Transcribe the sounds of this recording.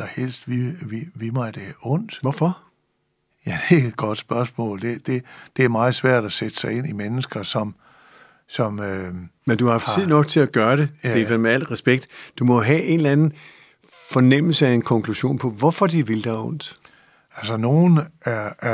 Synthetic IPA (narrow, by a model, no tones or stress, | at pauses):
ɑhel̰sd̥ʋiʋiʋimɑ̈ɪd̥eɔ̽n̰d̥ʋɒfɒ̽ | jæd̥e̝ed̥̚ɡ̥ɒd̥sb̥ɶɐsmɔ̰̽ːld̥e̝d̥e̝d̥e̝æɐmɑ̈ːð̩ˠsʋæɐ̰d̥æsed̥ə̥sɑ̈ɪe̝n̰imenəsɡ̥ɐsɒ̽m | sɒ̽mømend̥uhɑ̈hɑft͡siðˠnɒ̽ɡ̥̚t͡sʰe̝æɡ̥ɶːɐɾ̥e̝d̥e̝ʋemeæl̰ʁɛsb̥eɡ̥̚d̥d̥umɒ̽ɦæʔe̝nlænn̩ | fɒ̽nem̰l̩səæenkʰɒ̽ŋkʰluɕo̝̰ːnpʰɒ̽ʋɒfɒd̥iʋe̝ld̥ɑɔ̽n̰d̥ | ælsəno̝ːnæɐæ